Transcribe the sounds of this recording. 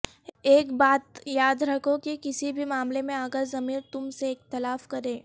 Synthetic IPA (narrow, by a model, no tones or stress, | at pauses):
eːkbaːt̪jaːd̪ɾɐkʰokikɪsibʱimaːmlemẽaːkəɾzɐmiːɾt̪ʊmseɪxt̪ɪlaːfkɐɾẽː